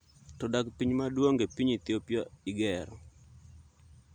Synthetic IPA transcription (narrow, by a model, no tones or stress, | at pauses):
tɔdakpiɲmadwoŋɡepiɲit̪jopjɔiɡɛɾɔ